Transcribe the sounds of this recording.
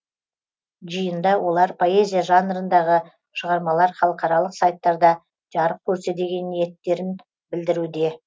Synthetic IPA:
ʒəjənd̪ɑwo̞lˠɑɾpʰo̞e̞zʲijaʒɑnɾənd̪ɑʁə | ʃəʁɑɾmɑlˠɑɾχɑlˠəqɑɾɑlˠəqsɑjt̪ːɑɾd̪ɑ | ʒ̥ɑɾəp̚kʲʰɵɾse̞d̪e̞ɡʲe̞nːije̞t̪ːe̞ɾɪn | bɪld̪ɪɾud̪e̞

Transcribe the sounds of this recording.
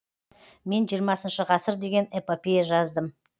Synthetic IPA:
me̞nʒijəɾmɑsənʃəʁɑsəɾd̪e̞ɡʲe̞nepopʲejʒɑzd̪əm

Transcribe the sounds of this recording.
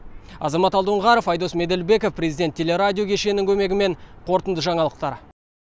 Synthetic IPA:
ɑzɑmɑt̪ɑlˠd̪əɴʁɑɾofɑjd̪o̞sme̞d̪e̞lbe̞kofprʲe̞zid̪ʲet̪ʰʲːelʲe̞ɾadʲijo̞kʲʰeʃe̞nɪŋkʲʰɵme̞ɡʲɪme̞ɴqʰo̞ɾt̪ənd̪əʒɑɴɑlˠəqt̪ɑɾ

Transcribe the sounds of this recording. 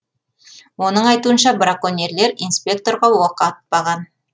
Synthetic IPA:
wo̞nəɴɑjt̪uənʃɑbɾakonʲe̞ɾle̞ɾijnspʲe̞k̚t̪o̞ɾʁɑwoqɑt̪̚bɑʁɑn

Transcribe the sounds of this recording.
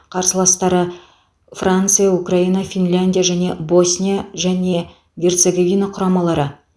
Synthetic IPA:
qʰɑɾsəlˠɑst̪ɑɾə | frant̪sɨjaukrainɑfʲinlʲanʲdʲijaʒæne̞bo̞sʲnʲijaʒæne̞ | ɡʲe̞rt̪seɡovʲinaqʰʊɾɑmɑlˠɑɾə

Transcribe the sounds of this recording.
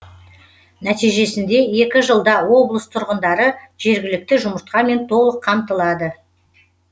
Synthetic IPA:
næt̪ijʒe̞sɪnd̪e̞e̞kʲɪʒəlˠd̪ɑwo̞blˠəst̪ʰʊɾʁənd̪ɑɾəʒe̞ɾɡʲɪlɪk̚t̪ɪʒʊməɾt̪̚qɑme̞nt̪ʰo̞lˠəqʰːɑmt̪əlˠɑd̪ə

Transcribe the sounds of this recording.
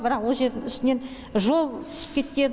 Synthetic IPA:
bɪɾɑqwo̞lˠʒe̞ɾd̪ɪŋʏst̪ɪne̞n | ʒo̞lˠt̪ʰʏ̥sə̥p̚kʲʰe̞t̪̚kʲe̞n

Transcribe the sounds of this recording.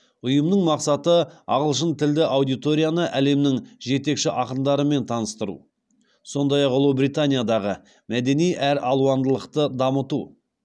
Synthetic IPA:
ʊjəmnəɴmɑqsɑt̪əɑ̰ʁəlˠʃənt̪ʰɪld̪ɪʔawd̪ijt̪o̞ɾʲijanəʔæle̞mnɪŋʒe̞t̪e̞kʃɪʔɑqənd̪ɑɾəme̞nt̪ʰɑnəst̪əɾṵ | so̞nd̪ɑjɑqʊlˠubɾijt̪anʲijad̪ɑʁə | mæd̪e̞nijʔæɾɑlˠuɑnd̪əlˠəqt̪əd̪ɑmət̪u

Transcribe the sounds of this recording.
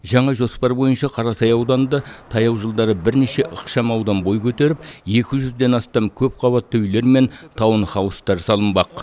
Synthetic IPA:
ʒɑɴɑʒo̞spɑɾbo̞jənʃɑqʰɑɾɑsɑjɑwd̪ɑnd̪ət̪ʰɑjɑwʒəlˠd̪ɑɾəbɪɾneʃe̞ʔəqʃɑmɑwd̪ɑnbo̞jkʲʰɵt̪e̞ɾɪp̚je̞kʲɪʒʏzd̪e̞nɑst̪ɑmkʲʰɵp̚qʰɑβɑt̪ʰːɵwʏle̞ɾme̞nt̪ʰɑwənχɑwəst̪ɑɾsɑlˠənbɑq

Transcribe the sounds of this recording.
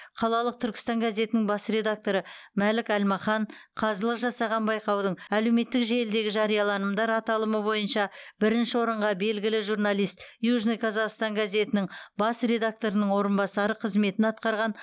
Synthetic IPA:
qʰɑlˠɑlˠəq̚t̪ʰʏɾkʲɪ̥st̪ɑŋɡaze̞t̪ɪnɪŋbɑsre̞d̪ak̚t̪o̞ɾəmælɪkælmɑχɑɴqʰɑzəlˠəqʒɑsɑʁɑnbɑjqɑwd̪əɴæle̞wme̞t̪ːɪkʒe̞ld̪e̞ɡʲɪʒɑɾijɑlˠɑnəmd̪ɑɾɑt̪ɑlˠəməbo̞jənʃɑbɪɾɪnʃɪwo̞ɾəɴʁɑbe̞lɡʲɪlɪʒuɾnɑlˠijst̪juʒnojkʰɑzɑʁst̪ɑŋɡaze̞t̪ɪnɪŋbɑsre̞d̪ak̚t̪o̞ɾənəɴwo̞ɾənbɑsɑɾəqʰəzme̞t̪ɪnɑt̪̚qɑɾʁɑn

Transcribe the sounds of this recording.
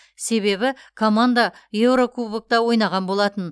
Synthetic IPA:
se̞βe̞bɪkʰo̞mand̪aje̞wɾo̞kʰubək̚t̪ɑwo̞jnɑʁɑnbo̞lˠɑt̪ən

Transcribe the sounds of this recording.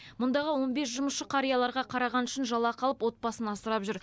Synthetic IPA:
mʊnd̪ɑʁəwo̞nbe̞sʒʊməsʃəqʰɑɾijɑlˠɑɾʁɑqʰɑɾɑʁɑnʏʃɪnʒɑlˠɑqʰɑlˠəpwo̞t̪̚bɑsənɑsəɾɑpʒʏɾ

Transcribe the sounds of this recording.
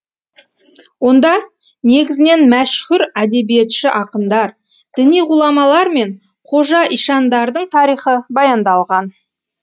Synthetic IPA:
wo̞nd̪ɑ | ne̞ɡʲɪzɪne̞nmæʃhʊɾæd̪e̞bije̞t̪ʃɪʔɑqənd̪ɑɾ | d̪̥ɪnijʁulˠɑmɑlˠɑɾme̞ɴ | qʰo̞ʒɑʔijʃɑnd̪ɑɾd̪əɴt̪ʰɑɾijχəbɑjɑnd̪ɑlˠʁɑn

